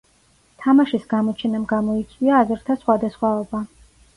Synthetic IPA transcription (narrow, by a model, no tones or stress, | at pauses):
t̪ʰamaʃisɡamɔt͡ʃʰɛnamɡamɔit̪sʼwiaːzɾt̪ʰasχwad̪asχwaɔba